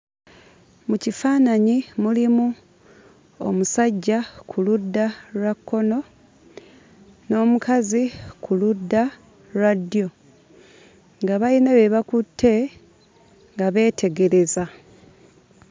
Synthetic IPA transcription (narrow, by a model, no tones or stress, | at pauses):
mucifaːnaɲimulimu | o̰musaɟːakʰuludːaɾakːo̞no̞ | no̞ːmukʰazikuludːa | ɾadijo̞ | ŋɡaβainaβe̞βakutʰːe̞ | ŋɡaβe̞ːtʰe̞ɡe̞ɾe̞za